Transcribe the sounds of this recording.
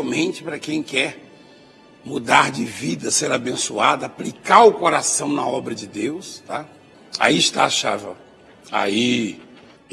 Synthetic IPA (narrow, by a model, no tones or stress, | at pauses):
mẽnt͡ʃɪ̥pɾɐkẽj̃kɛɾ | mud̪aɾd͡ʒɪvid̪ɐseɾabẽsuad̪ɐaplikaɾʊkoɾasɐ̃w̃nɐɔbɾɐd͡ʒɪd̪ewst̪a | a̰iɪʃt̪aːʃa̰vɐ̃ | a̰i